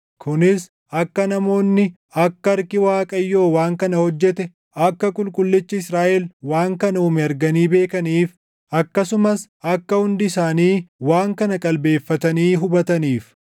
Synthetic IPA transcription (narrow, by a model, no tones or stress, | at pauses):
kʊnɪs | ʔɐkːɐnɐmo̞ːnːɪ | ɐkːɐɐɾkɪwaːkʼɐjːo̞ːwaːŋkɐnɐhɔd͡ʒːɛt̪ɛ | ɐkːɐkʼʊlkʼʊlːɪt͡ʃːɪɪsɾaːʔɛlwaːŋkɐnɐuːmɛɐɾɡɐniːbe̞ːkɐniːf | ʔɐkːɐsʊmɐsʔɐkːɐhʊnd̪ɪsaːniːwaːŋkɐnɐkʼɐlbe̞ːfːɐt̪ɐniːɦʊbɐt̪ɐniːf